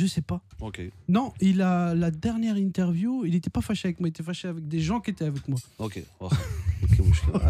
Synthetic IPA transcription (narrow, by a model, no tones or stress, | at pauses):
ʒəsɛpa | okʲenɔ̃ilalad̪ɛʁnjɛʁĩnt̪ɛʁvjuilet̪ɛpafaʃeavɛkmwaiet̪ɛfaʃeavɛk̚d̪eʒɑ̃kʲiet̪ɛavɛkmwaokʲḛ | okʲebõʃk